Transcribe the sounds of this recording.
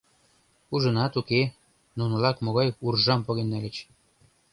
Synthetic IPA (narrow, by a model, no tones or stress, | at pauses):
uʒɤ̆nɑt̪uke | nunɤ̆lɑkmoɣɑjurʒɑmpoɣenːælʲɘ̆t͡ɕ